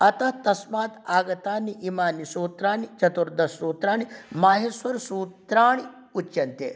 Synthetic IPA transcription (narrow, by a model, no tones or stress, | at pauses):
ɐt̪ɐɦt̪ɐsmaːt̪aːɡɐt̪aːnːiʔimaːnːisuːt̪ɾaːnit͡ʃɐt̪uɾd̪ɐsuːt̪ɾaːɳimaːɦeswɐɾsuːt̪ɾaːɳi | utːt͡ʃɐnt̪ḛː